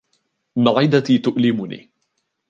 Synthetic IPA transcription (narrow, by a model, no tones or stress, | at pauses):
maʕɪd̪at̪iːt̪ʊʔlɪmʊnḭː